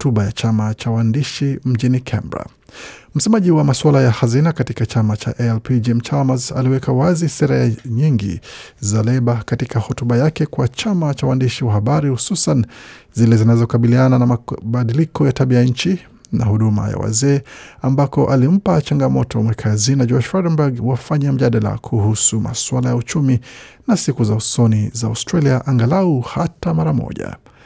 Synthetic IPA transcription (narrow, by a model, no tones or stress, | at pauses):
tuɓajat͡ʃamat͡ʃawandiʃim̩ʄinikʰɛ̰mbɾa̰ | m̩sɛmaʄiwamaswalajahazinakatikat͡ʃamat͡ʃa̰ʔɛɛlpid͡ʒɛmt͡ʃalmaza̰liwɛkawazisɛɾajaɲiŋɡḭzalɛɓakatikʰahɔtuɓajakɛkwat͡ʃamat͡ʃawandiʃiwahaɓaɾihususanzilɛzinazɔkaɓiliananamaɓaɗilikɔjataɓiajaɲ̩t͡ʃi | nahuɗuma̰ja̰wa̰zɛːambakɔʔalim̩pat͡ʃaŋɡamɔtʰɔmwɛkʰazinad͡ʒɔʃfadɛnbaɡwafaɲam̩ʄaɗala̰kʰuhusuma̰swalajaut͡ʃuminasikuzausɔnizaa̰stɾaliaʔaŋɡalauhatamaɾamɔ̰ʄa̰